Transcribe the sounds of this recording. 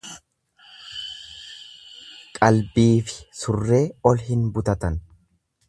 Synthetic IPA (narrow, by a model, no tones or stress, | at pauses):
kʼɐlbiːfɪ̥sʊrːe̞ːɔlɦɪnbʊt̪ɐt̪ɐn